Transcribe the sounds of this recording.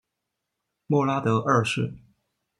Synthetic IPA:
mɔ˥˩la˥t̪ɤ˧˥ʔə˥˧ʂɻ̩˥˩

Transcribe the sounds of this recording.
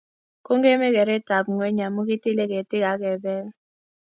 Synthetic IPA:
ko˦ŋɡe˦me˦kɛ˨ɾɛ˦ta˨bŋwe˦ɲa˨mo˦k̬i˦ti˦le˦k̬e˨tɪ˦ka˨˦k̬ɛ˨bɛ˦l

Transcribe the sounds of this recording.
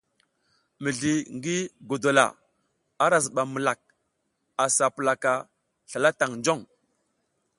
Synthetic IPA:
mə˨ɮi˨ŋɡi˦ɡo˨do˨la̰˨ | a˦ɾa˨zɓa˨mə˨la˨k̚ | a˨sa˨pə˨la˨ka˨ | ɬa˨la˦ta˨ŋnd͡ʒo˦˨ŋ

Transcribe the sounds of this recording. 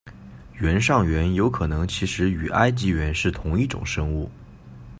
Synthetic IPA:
ɥɛ˧˥nʂɑ˥˩ŋɥɛ˧˥njo˧˥ʊkʰɤ˨˩nɤ˧˥ŋt͡ɕʰi˧˥ʂɻ̩˧˥y˨˩ʔa˥ɪt͡ɕi˧˥ɥɛ˧˥nʂɻ̩˥˩t̪ʰʊ˧˥ŋi˥˩ʈ͡ʂʊ̰˨˩ŋʂɤ˥ŋu˥˩

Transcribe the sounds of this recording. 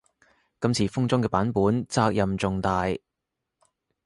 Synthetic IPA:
kɐ˧msʰiː˨˩fʊ˥ŋt͡sʊ˥ŋkɛː˧paː˨˥npuː˨˥nt͡saː˧k̚jɐ˨mt͡sʊ˨ŋt̪aː˨j

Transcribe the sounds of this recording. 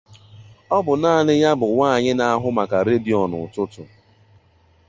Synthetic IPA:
ɔ˦bʊ˨naː˦˨nɪ˦ja˦bʊ˨waː˦˨ɲɪ˦na˦a˦ɦʊ˦ma˨ka˨ɾe˦bi˨ɔ˨nʊ̰˨tʊ˦tʊ˨

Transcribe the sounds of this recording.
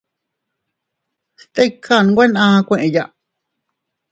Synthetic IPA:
st̪e˦ikʰa˦˧˨ñ˧ɡʷe˦nãː˦˧kʷẽ˧ʔẽ˨˧ja˧ʔ

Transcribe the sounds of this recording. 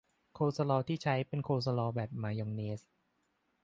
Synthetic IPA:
kʰoː˧sa˧lɔː˧t̪ʰiː˥˩t͡ɕʰa˦˥jpe˧nkʰoː˧s̬a˧lɔː˧bɛː˨˩p̚maː˨˧˦jɔ˧ŋne˧˦˥s

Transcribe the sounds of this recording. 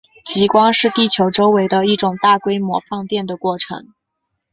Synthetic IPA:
t͡ɕi˧˥kwɑ˥ŋʂɻ̩˥˧t̪i˥˩t͡ɕʰjo˧˥ʊʈ͡ʂo˥ʊwe˧˥ɪd̪ə˧i˥˩ʈ͡ʂʊ˨˩ŋt̪a˥˩kwe˥ɪmwɔ̰˧˥fɑ˥˧ŋt̪jɛ˥˩nd̪ə˩kwɔ˥˩ʈ͡ʂʰɤ̰˧˥ŋ

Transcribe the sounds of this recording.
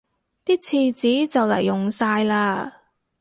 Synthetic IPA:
t̪iː˥t͡sʰiː˧t͡siː˨˥t͡sɐ˨wlɐ̰˨˩jːʊ˨ŋsaː˧jlaː˧

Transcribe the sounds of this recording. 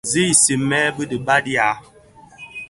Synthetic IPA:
zi˦˨si˨mɛː˦bə˦di˨ba˦di˦a˨˦

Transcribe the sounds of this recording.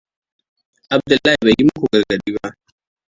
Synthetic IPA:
ʔa˨b̚dʊ˨lːaː˦hi˨ba˨ji˦mʊ˦kʷu˨ɡɐ˨rɡɐ˨biː˦ba˦ʔ

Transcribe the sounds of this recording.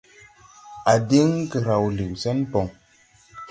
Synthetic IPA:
a˨di˦ŋkə˨ɾa˨wli˨wsa˦npo˨ŋ

